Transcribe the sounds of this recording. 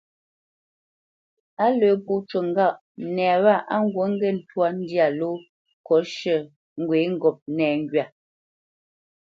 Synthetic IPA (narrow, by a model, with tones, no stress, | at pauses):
a˦lə˨˦pu˦t͡ʃə˨ŋ˦ɡa˦˨ʔ | nɛː˨wa˦˨ʔa˦ŋ˦ɡwo˨˦ŋ̩˦ɡɛ˦˨n̩˦˨twa˦n̩˦dja˨lo˦ | kɔ˨˦ʃə˦˨ | ŋ̩˦˨ɡwe˨˦ŋ̩˦˨ɡɔ˨p̚nɛː˨ŋ˦ɡɥa˨